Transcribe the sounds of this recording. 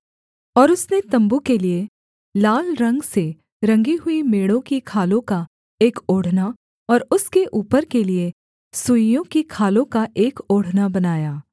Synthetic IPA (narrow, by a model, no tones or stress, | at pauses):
ɔːɾʊsnet̪ɐ̃mbukelie | laːlɾɐ̃ŋɡse | ɾɐ̃ŋɡiɦʊimeːɽõkikʰaːlõka | eːkoːɽ̤na | ɔːɾʊskeʔuːpəɾkelie | sujõkikʰaːlõkaʔeːkoːɽ̤nabɐnaːjaː